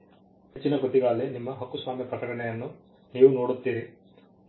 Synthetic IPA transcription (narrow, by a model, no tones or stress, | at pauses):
het͡ʃːinɐɡot̪ːiɡaːlːenimːɐɦɐkːusʋaːmjipɾɐkɐɽɐɳɛjɐnːu | niːʋuno̞ːɽut̪ːiːɾi